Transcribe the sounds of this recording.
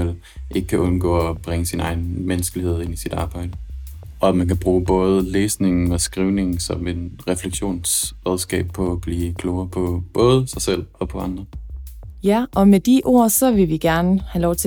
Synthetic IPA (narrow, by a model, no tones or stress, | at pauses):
el̰ | ʔe̝ɡ̥ə̥kʰæʔɔ̽nɡ̥ɔ̰̽ːɒb̥ʁɛŋəsinɑ̈ɪn̩menəsɡ̥əlihe̝ð̞̰ˠe̝nisid̥ɑ̈ːb̥ɑ̈ɪ̰d̥ə | ɒ̽æmænkæb̥ʁuːb̥ɔ̽ːð̞ˠəleːsne̝ŋn̩ɒ̽sɡ̥ʁiːʊne̝ŋn̩sɒ̽me̝d̥ʁɛfleɡ̥ɕo̝̰ːnsʁɛð̞ˠsɡ̥ɛ̰ːb̥̚pʰɒ̽æb̥liːkʰloʊɐpʰɒ̽b̥ɔ̽ːð̞ˠəsɑ̈ɪsel̰ɒ̽pʰɒ̽ɑ̈nd̥ʁɐ | jæʔɒ̽med̥iʔo̝̰ɐ̰sɒ̽ʋe̝lʋiɡ̥æɐnəhælɒʊt͡sʰe